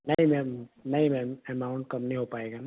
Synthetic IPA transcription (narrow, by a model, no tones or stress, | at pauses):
nɐɦĩmɛ̃mnɐɦĩmɛ̃mɛmaːʊ̃ɳʈ̚kɐmnəĩɦopaːeːɡaːna